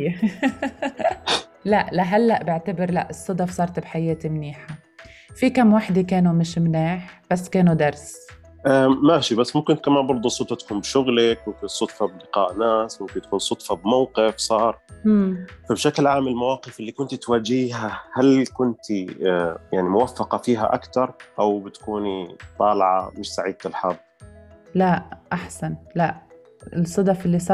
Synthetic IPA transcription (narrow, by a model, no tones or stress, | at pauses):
laʔlaɦalːaʔbɪʕt̪abɪɾlaʔɪsˤːɑd̪ɑfsˤɑːɾˤt̪bħajeːt̪imniːħa | fikamːwaħd̪ikeːnumɪʃmnaːħb̥asːkeːnud̪ɑɾˤs | ʔamaʃibasːmʊmkɪnt̪̚kamaːnbɑɾˤd̪ˤusˤʊt̪ˤfɑt̪ḁkuːnbʃʊɣlakmʊmkɪnsˤʊt̪fɑblɪqɑ̰ːʔnaːsmʊmkɪnt̪ḁkuːnsˤʊt̪ˤfɑbmawqɪfsˤɑːɾˤ | fabʃaklʕaːmɪlmawɑːqɪfɪlːikʊnt̪it̪waːd͡ʒiːɦahalkʊnt̪ijaʕnimʊwafːɑqɑfiːɦa̰ʔa̰kt̪ɑɾˤʔawbɪt̪ḁkuːnit̪ˤɑːlʕa̰mɪʃsaʕiːd̪̚t̪ɪlħɑdˤːlaʔʔaħsanlaʔ | ɪlsˤːɨd̪ɑfɪlːis̬ˤɑː